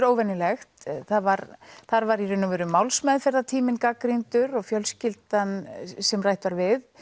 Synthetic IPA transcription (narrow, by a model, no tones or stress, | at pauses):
ɾoːwvɛnːɪlɛxt̪θaðvaɾθaɾvaɾirʏnːʏvɛːɾʏmːawlsmɛðfɛɾðat̪ʰiːmɪnkakɾint̪ʏɾɔɣfjœlscɪlt̪ansɛmrajht̪vaɾvɪð